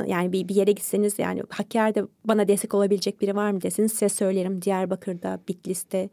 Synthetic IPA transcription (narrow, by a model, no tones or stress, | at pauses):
jʔaːnibibije̞ɾɛɟit̪senizja̰ːnḭhacʰːaɾd̪ɛbanad̪ɛsɛ̥co̞lˠabilʲed͡ʒɛc̚biɾivaɾmɯd̪ɛsinizsizɛsø̞jlʲeɾimd̪ijæɾbakʰɯɾd̪abit̪lʲist̪ʰɛ